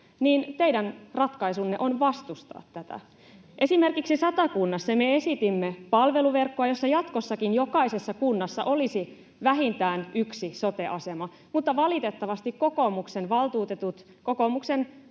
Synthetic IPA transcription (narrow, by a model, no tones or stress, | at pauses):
niːnt̪eidænrɑt̪kɑisunːeʔo̞nʋɑst̪ust̪ɑ̰ːt̪ːæt̪æ̰ | ʔe̞sime̞rkiksisɑt̪ɑkunːɑsːɑmeesit̪imːepɑlʋe̞luʋerkːoɑjo̞sːɑjɑt̪kosːɑkinjo̞kɑisesːɑkunːɑsːɑ̰ʔo̞lisi | ʋæɦint̪æːnyksisot̪eʔɑsemɑ | mut̪ːɑʋɑlit̪et̪ːɑʋɑst̪ikkokomuksenʋɑlt̪uːt̪et̪ut̪ | kokomuksen